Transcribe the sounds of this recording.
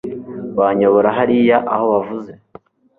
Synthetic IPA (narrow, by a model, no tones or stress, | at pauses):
βaɲoβoɾaɦaɾijaʔahoβavuze̞